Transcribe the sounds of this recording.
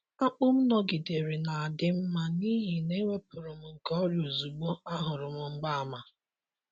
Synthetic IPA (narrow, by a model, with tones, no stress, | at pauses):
a˦k͡pʊ˦m̩˦nɔ˨ɡɪ˨de˨ɾi˨na˨a˨dɪ˦m̩˦ma˦ni˦ɦi˨ne˦we˦pʊ˨ɾʊ˨m̩˨ŋ̩˨kɔ˦ɾjo˨zu˨ɡ͡bo˦a˦ɦʊ˨ɾʊ˨m̩˨ŋ͡m̩˦ɡ͡ba˦a˨ma˨